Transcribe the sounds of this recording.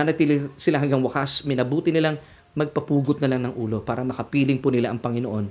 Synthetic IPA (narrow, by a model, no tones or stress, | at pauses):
nɐt̪iːlɪsɪlaɦɐŋɡaŋwɐkasmɪnɐbuːt̪ɪnɪlaŋ | mɐɡ̚pɐpuːɡʊt̪̚nɐlaŋnɐŋʔuːlo̞paːɾɐmɐkɐpiːlɪŋpʊnɪlaʔɐŋpɐŋɪnoʔo̞n